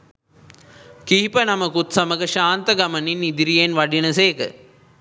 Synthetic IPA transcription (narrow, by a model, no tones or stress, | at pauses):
kiːipənɐmɐkut̪sɐmɐɡɐʃaːnt̪ɐɡɐmɐninid̪iɾijenʋɐɖinɐseːkə